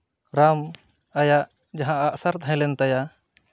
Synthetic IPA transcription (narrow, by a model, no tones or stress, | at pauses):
ɾam | ajaʔ | d͡ʒaɦãʔːʔsaɾt̪ʰãjlɛnt̪aja